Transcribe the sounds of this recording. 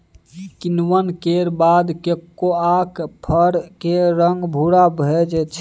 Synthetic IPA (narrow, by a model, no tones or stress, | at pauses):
kɪnwənkeɾbad̪kekːoaːkpʰəɾkeɾəŋɡbʱuɽabʱed͡ʒt͡ʃʰ